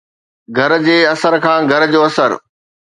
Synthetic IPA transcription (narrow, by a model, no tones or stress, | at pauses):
ɡʱɐɾ̆d͡ʑeːɐsəɾkʰãːɡʱɐɾd͡ʑoːɐsəɾ